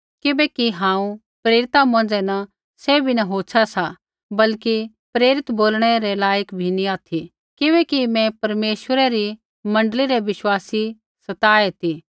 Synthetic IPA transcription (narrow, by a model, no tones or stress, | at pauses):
kɪbɛkiɦãːũ | pɾeːɾɪt̪amõːnd͡zɛna | sɛbʱinɐɦoːt͡ʃʰasa | bɐlki | pɾeːɾɪt̪boːlɽ̃ɛɾɛlaːjəkbʱinĩaːt̪ʰi | kɪbɛkimɛ̃pɐɾmeːʃwəɾɛɾi | mɐ̃ɳɖəliɾɛʋɪʃwaːsi | sɐt̪aːɛt̪i